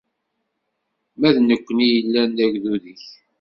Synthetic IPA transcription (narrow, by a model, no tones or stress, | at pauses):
mæðnəkʷːənijəlːænːæʝðuðiç